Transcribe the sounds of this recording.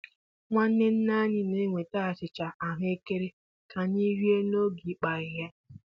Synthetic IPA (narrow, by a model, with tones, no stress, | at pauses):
ŋʷa˦n̩˦ne˦n̩˦na˦ɲɪ˦ne˦ŋʷe˨ta˦a˨t͡ʃɪ˨t͡ʃa˨ʔa˨ɦe˦ke˦ɾe˦ | ka˨ni˦ɾi˦e˦no˦ɡi˨k͡pa˨ɪ˨ɦe˦